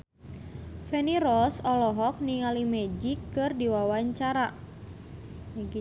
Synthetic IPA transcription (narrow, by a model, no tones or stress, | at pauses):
fɛniɾɔsɔlɔɦɔk̚niŋalimɛd͡ʒikːɨrdiwawaɲt͡ʃaɾa | mɡi